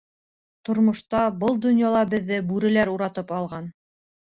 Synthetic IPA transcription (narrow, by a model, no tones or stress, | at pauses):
t̪ŏɾmŏʃt̪ɑbɤlˠd̪ŏnjɑlˠɑbɘ̆ðːɘbʉɾɘ̆læɾuɾɑt̪ɤpɑlˠʁɑn